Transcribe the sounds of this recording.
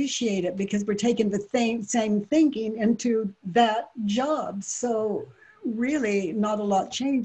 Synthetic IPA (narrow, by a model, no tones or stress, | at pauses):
iʃieɪɾɨt̚b̥ɨkʰʌzwɨɹtʰeɪkɨ̃ŋðɨθẽɪ̃sẽɪ̃mθɪ̃ŋkɪ̃ŋɪ̃ntʰʉðɨt̚d̥ʒ̥ɑbsoʊ | ɹɪlˠinəɾəlɔt̚t͡ʃʰẽɪ̃nd͡ʒ